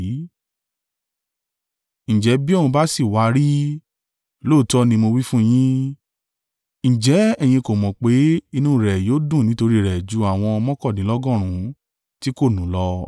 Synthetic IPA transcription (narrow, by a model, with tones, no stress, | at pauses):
ñ̩˨d͡ʒɛ˨˦bi˦˨ũ˧ba˦si˦˨wa˧ɾi˦ | lo˦˨tɔ˦nĩ˧mo˧wi˦fũ˦j̃ĩ˦ | ñ̩˨d͡ʒɛ˨˦ɛ˦˨j̃ĩ˧ko˨mɔ̃˨k͡pe˨˦i˧nũ˦˨ɾɛ˨joː˨˦dũ˦˨nĩ˨˦to˧ɾi˦˨ɾɛ˨d͡ʒu˨˦a˨w̃ɔ̃˧mɔ̃˦kɔ˦˨dĩ˨˦lɔ˦ɡɔ̃˦˨ɾ̃ũ˨˦ | ti˦ko˦˨nũ˨˦lɔ˧